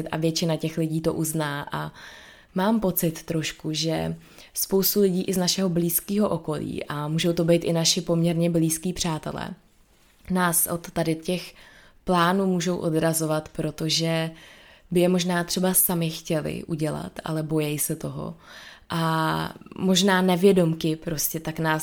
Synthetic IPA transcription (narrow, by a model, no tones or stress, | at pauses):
ɪt̪ʔa̰vjɛt͡ʃɪnacɛxlɪɟiːt̪o̞̰ʔuznaːʔa | maːmpo̞t͡sɪt̪ːɾo̞ʃkuʒɛ | spo̞wst̪ulɪɟiːʔɪznaʃɛɦo̞bliːskiːɦo̞ʔoko̞lḭːʔamuːʒo̞wt̪o̞bɛjt̪ʔɪnaʃɪpo̞mɲɛɾɲɛbliːskiːpr̝̥aːt̪ɛ̰lɛ̰ː | naːsʔot̪ːadɪcɛx | plaːnuːmuːʒo̞wʔodɾazo̞vat̪pɾo̞t̪oʒɛ | bɪjɛmo̞ʒnaːt̪r̝̥ɛbasamɪxcɛlɪ̰ʔuɟɛla̰t̪ʔa̰lɛbo̞jɛjsɛt̪o̞ɦo̞̰ʔa | mo̞ʒnaːnɛvjɛdo̞mkɪpɾo̞scɛt̪aknaːs